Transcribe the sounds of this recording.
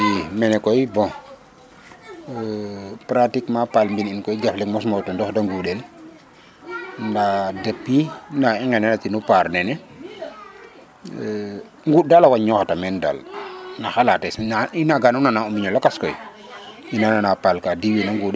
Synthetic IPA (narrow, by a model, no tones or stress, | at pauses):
imɛnɛkɔjbɔ̃ | pɾatikmapalmbininkɔjɟaflɛk̚mɔsmɔwtɔndɔxdaŋɡuɗɛl | ndadɛpːinaɛŋɡanɛnatinupaɾnɛnɛ | ŋɡudalawaɲɔxatamɛnda̰lnaxalatɛsainaɡanunanaumiɲɔlakaskɔj | inananapalkadiwinaŋɡuːɗ